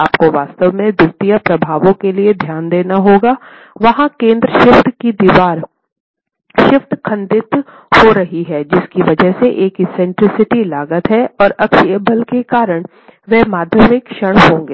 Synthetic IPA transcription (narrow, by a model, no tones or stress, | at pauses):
aːpkoʋaːst̪əʋmẽd̪ʊɾt̪ijapɾɐbʱaːʋõkelied̪ʱjaːnd̪eːnaɦoːɡaː | ʋɐɦãkẽːnd̪ɾəʃɪft̪kid̪iːʋaːɾ | ʃɪft̪kʰɐ̃nd̪ɪt̪ | hoɾɐɦiɦɛːd͡ʒɪskiʋɐd͡ʒəɦseʔeːkɪsɛ̃ɳʈɾɪsɪʈilaːɡət̪ɦɛɔːɾɐkʃjəbəlkekaːɾəɽ̃ | ʋɛɦmaːd̪ʱjəʋɪkʃəɽ̃ɦõːŋɡeː